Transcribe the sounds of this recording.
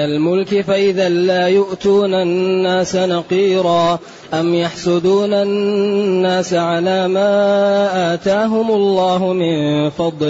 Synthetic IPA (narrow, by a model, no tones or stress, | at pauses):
almʊlkɪfaʔɪðaːlaːjʊʔt̪uːnanːaːsanɑqiːɾɑː | ʔamjɑħsˤʊd̪uːnanːaːsaʕalaːmaːʔaːt̪aːɦʊmʊlːɑːɦʊmɪnfɑd̪ˤ